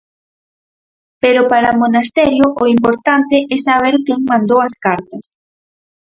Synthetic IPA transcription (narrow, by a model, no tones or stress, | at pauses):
peɾʊpaɾamonast̪ɛɾjʊʔʊimpoɾt̪ant̪ɪʔɛsaβ̞eɾkeŋmãnd̪owɐskaɾt̪ɐs